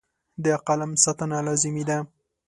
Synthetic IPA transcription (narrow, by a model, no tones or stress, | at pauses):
d̪əaqalamsɑt̪analɑzɪmid̪a